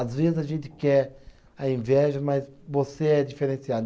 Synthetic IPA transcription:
azvezɪzɐʒẽnt͡ʃ̪ɪ̥kɛ | ɐĩvɛʒɐmɐzvoseɛd͡ʒifeɾẽsiad̪

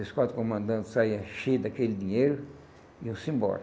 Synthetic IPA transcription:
eskwat̪ɾkomɐ̃nd̪ɐ̃t̪sajɐʃid̪ɐkelid̪iɲejɾʊ | iʊ̃sĩmbɔ̰ɾ

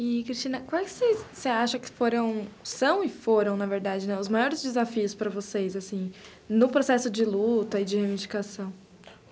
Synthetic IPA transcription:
ɪkɾist͡ʃĩnɐkãwɛkɪ̥sejsːeaʃɐkɪ̥foɾɐ̃w̃sɐ̃w̃ɪfoɾɐ̃w̃nɐveɾd̪ad͡ʒɪnɛʊzmajɔɾɪzd͡ʒɪzafiʊspɾɐvosejzasĩ | nʊpɾosɛsʊd͡ʒɪlut̪ɐɪd͡ʒɪhevĩd͡ʒikasɐ̃w̃

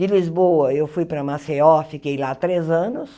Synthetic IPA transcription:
d͡ʒɪlizbowɐewfujpɾɐmaseɔfikejlat̪ɾezɐ̃nʊs

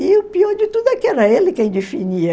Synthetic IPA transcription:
ɪʊpiɔɾd͡ʒɪt̪ud̪ʊɛkɪɛɾɐelɪkẽj̃d̪efiniɐ

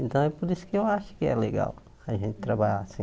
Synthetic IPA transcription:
ẽnt̪ɐ̃w̃ɛpʊɾisʊ̥kɪewaʃʊ̥kɪɛ̰leɡa̰w | ɐʒẽnt̪ɪ̥t̪ɾabaʎasĩ

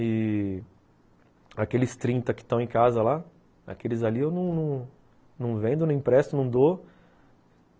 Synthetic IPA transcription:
ɪ | akelɪst̪ɾĩt̪ɐkɪ̥t̪ɐ̃w̃ẽkazɐla | a̰kelɪzaliewnɐ̃w̃nɐ̃w̃ | nɐ̃w̃vẽnd̪ʊñĩpɾɛst̪ʊnɐ̃w̃d̪o

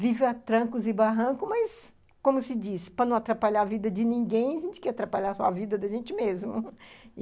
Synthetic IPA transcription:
vivɪat̪ɾɐ̃kʊzɪbaɦɐ̃kʊmɐs | kõmʊsɪd͡ʒispɐnɐ̃w̃at̪ɾapaʎaɾavid̪ɐd͡ʒɪnĩŋɡẽj̃ɐʒẽnt͡ʃɪ̥kɛat̪ɾapaʎasɔ̰avid̪ɐd̪ɐʒẽnt͡ʃɪmezmʊ

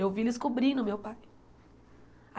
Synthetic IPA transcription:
ewvilɪskobɾĩnʊmewpaj | a

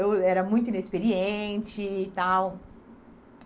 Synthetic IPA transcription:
ewɛɾɐmũj̃t̪ʊĩnespeɾiẽnt͡ʃɪːt̪aw

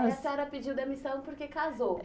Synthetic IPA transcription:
sɛɾɐpid͡ʒiwd̪ɐmisɐ̃w̃poɾkekazow

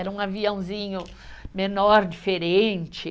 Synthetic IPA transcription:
ɛɾɐũaviɐ̃w̃zĩɲʊ | menɔɾd͡ʒifeɾẽnt͡ʃɪ

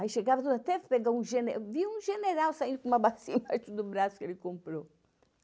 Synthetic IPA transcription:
aiʃeɡavɐt̪od̪ɐt̪ɛvpeɡawũʒenviũʒeneɾawsaĩnd̪ʊkumɐbasĩnɐat̪ud̪ʊbɾasʊ̥kelɪkõmpɾo

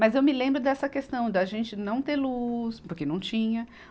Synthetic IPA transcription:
mɐzewmɪlẽmbɾʊd̪ɛsɐkest̪ɐ̃w̃d̪ɪaʒẽnt͡ʃɪnɐ̃w̃t̪eɾluspoɾkenɐ̃w̃t͡ʃĩɲɐ

